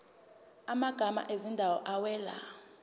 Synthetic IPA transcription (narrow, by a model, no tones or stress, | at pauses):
amaɡ̥ʱama̰ʔezindʱawɔʔawɛːla̰